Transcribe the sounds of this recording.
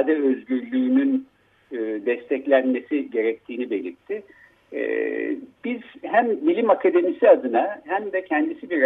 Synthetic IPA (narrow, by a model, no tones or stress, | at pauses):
d̪ɛø̞zɟyɾlʲyːnynː | d̪ɛst̪ʰɛclʲænme̞siɟe̞ɾɛc̚t̪ʰiːnibe̞lʲiɾt̪ʰːɪ̰ | b̥iz̥ɦæmbilʲimakʰad̪e̞misiad̪ɯnahæmd̪ɛcʰɛnd̪isibiɾ